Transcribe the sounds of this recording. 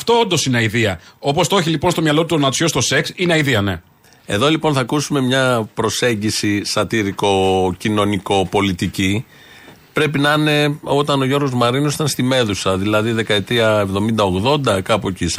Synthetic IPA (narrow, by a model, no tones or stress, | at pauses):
ɐft̪o̞ond̪o̞sineɐiðiɐo̞po̞st̪o̞çilipo̞nst̪omɲɐlo̞t̪uonɐsost̪o̞se̞ksineɐiðiɐne̞̰ | e̞̰ðo̞lipo̞nθɐkusume̞mɲɐpɾo̞se̞ɲɟisisɐt̪iɾiko̞cino̞niko̞po̞lit̪ici | pɾe̞pinɐne̞o̞t̪ɐno̞ʝo̞ɾɣo̞zmɐɾinosi̥t̪ɐnst̪ime̞ðusɐðilɐðiðe̞kɐet̪ɾiɐe̞vðo̞mind̪ɐo̞ɣðo̞nd̪ɐkɐpocis